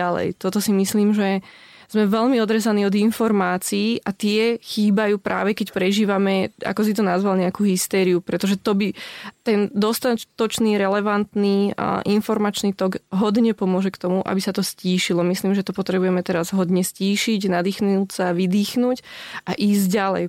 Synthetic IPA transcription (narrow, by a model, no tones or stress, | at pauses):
alɛ̰jt̪ɔt̪ɔsimisliːmʒɛ | z̥mɛʋɛʎmiɔd̪ɾɛzaniːɔd̪infɔɾmaːt͡siːʔat̪ɪɛxiːbajuːpɾʔa̰ːʋɛkɛcpɾɛʒiːʋamɛa̰kɔs̬it̪ɔnazʋalɲɛakuːɦist̪ɛːɾiupɾɛt̪ɔʒɛt̪ɔbit̪ɛnd̪ɔst̪at̪ɔt͡ʃniːɾɛlɛʋant̪nḭʔinfɔɾmat͡ʃniːt̪ɔɡɦɔd̪ɲɛpɔmʊɔʒɛkt̪ɔmuʔa̰bisat̪ɔsciːʃilɔmisliːmʒɛt̪ɔpɔt̪ɾɛbujɛmɛt̪ɛɾazɦɔd̪ɲɛsciːʃiɟnad̪iːxnutsaʋid̪iːxnuːcʔaʔiːzɟalɛ̰j